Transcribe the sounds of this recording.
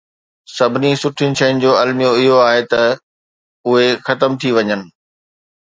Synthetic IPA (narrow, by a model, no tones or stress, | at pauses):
sɐbʱɪnisʊʈʰɪnɪ̆ʃɐɪnɪ̆d͡ʑoːɐlmijõɪɦoaːɦet̪ɐ | ʊɦexɐt̪əmt̪ʰiʋɐɲənɪ̆